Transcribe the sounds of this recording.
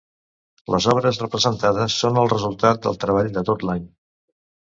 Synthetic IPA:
lʔəzɔβɾəzrəpɾəzənt̪að̞əsːonəlˠrəzulˠt̪at̪̚d̪ə̰lˠt̪ɾəβ̞aʎd̪ət̪ot̪laɲ

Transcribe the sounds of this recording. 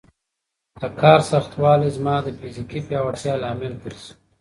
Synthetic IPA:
d̪̥əkʰɑːɾsaxt̪wɑːlezmɑːd̪əfizikipjaːwɐʈ̪jɑːlɑːmɪlt̪əɾsu̥

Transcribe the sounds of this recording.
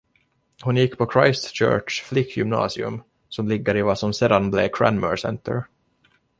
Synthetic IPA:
hʊnjɪkːpʰɔkʰɾajst̪ɕœ̰ːʈʂflɪkʰːjɵmnɑ̰ːsɪɵ̰m | sɔmlɪɡːəɾɪvasɔmsɛːd̪anblɛkʰɾæ̰nmə̰ɾsɛ̰nt̪ə̰ɾ

